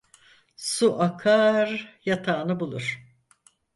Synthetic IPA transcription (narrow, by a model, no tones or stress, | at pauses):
suʔakʰaɾjat̪ʰaːnɯbulˠuɾ̥